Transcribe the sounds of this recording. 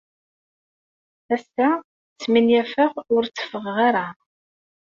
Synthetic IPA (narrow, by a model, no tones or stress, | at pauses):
æst̪æ | t͡sːminjæfəʁʊɾt͡sːə̥fəʁʁaɾa